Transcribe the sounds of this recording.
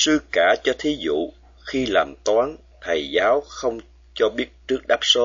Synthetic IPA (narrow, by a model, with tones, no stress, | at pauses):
sɨ˧kaː˧˩t͡ɕɔ˧t̪ʰi˨˦zṵ˧˨ | xi˧laː˨˩mt̪waː˨˦n | t̪ʰə˨˩jzaː˨˦wxə˧wŋ͡m | t͡ɕɔ˧ɓi˦˥ət̚t͡ɕɨ˦˥ək̚ɗaː˦˥p̚so˨˦